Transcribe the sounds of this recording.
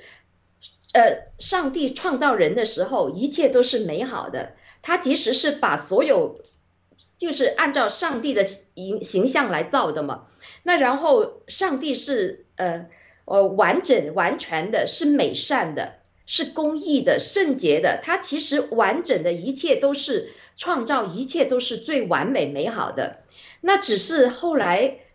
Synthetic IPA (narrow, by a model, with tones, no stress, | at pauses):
ə˧ʂɑ˥˧ŋt̪i˥˩ʈ͡ʂʰwɑ˥˧ŋt͡sɑ˥˩ʊɻə˧˥nd̪ə˧ʂɻ̩˧˥xo˥˧ʊi˧˥t͡ɕʰjɛ˥˩t̪o˥ʊʂɻ̩˥˩me˧˥ɪxɑ̰˨˩ʊd̪ə̰˦ | t̪ʰa˥t͡ɕʰi˧˥ʂɻ̩˧˥ʂɻ̩˥˩pa˨˩swɔ˧˥jo˨˩ʊ | t͡ɕjo˥˧ʊʂɻ̩˥˧ʔa˥˧nʈ͡ʂɑ˥˧ʊʂɑ˥˧ŋt̪i˥˩d̪ə˩i˧˥ŋɕi˧˥ŋɕjɑ˥˩ŋla˧˥ɪt͡sɑ˥˩ʊd̪ə˩mɐ̰˩ | na˥˩ɻa˧˥nxo˥˩˧ʊʂɑ˥˧ŋt̪i˥˧ʂɻ̩˥˩ə˧ | ə˧˩wa˧˥nʈ͡ʂə˨˩nwa˧˥nt͡ɕʰɥɛ˧˥nd̪ə˧ʂɻ̩˥˩me˨˩ɪʂa˥˩nd̪ə̰˩ | ʂɻ̩˥˩kʊ˥ŋi˥˩d̪ə˩ʂə˥˩ŋt͡ɕjɛ˧˥d̪ə̰˨t̪ʰa˥t͡ɕʰi˧˥ʂɻ̩˧˥wa˧˥nʈ͡ʂə˨˩nd̪ə˦i˧˥t͡ɕʰjɛ˥˩t̪o˥ʊʂɻ̩˥˩ʈ͡ʂʰwɑ˥˧ŋt͡sɑ˥˩ʊi˧˥t͡ɕʰjɛ˥˩t̪o˥ʊʂɻ̩˥˧t͡swe˥˩ɪwa̰˧˥nme˨˩ɪme˧˥ɪxɑ̰˨˩ʊd̪ə̰˦na˥˩ʈ͡ʂɻ̩˨˩ʂɻ̩˥˧xo˥˩ʊla˧˥ɪ